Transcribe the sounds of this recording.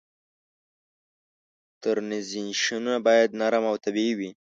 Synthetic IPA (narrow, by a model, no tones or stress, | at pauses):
t̪əɾnɪzinʃinunabɑːjad̪naɾamawt̪abiwi